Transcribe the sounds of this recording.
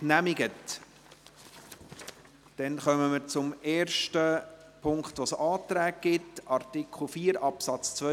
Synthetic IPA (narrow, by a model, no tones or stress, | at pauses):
næmɪɡət | d̥ɛnχœməməɾt͡sʊmeːɾʃtə | pʰʊŋkχt̪ʋosɑːt̪ɾæːk̚ɡ̥ɪtɑɾtikχl̩ˠfiːɾɑpsɑt͡st͡sʋœ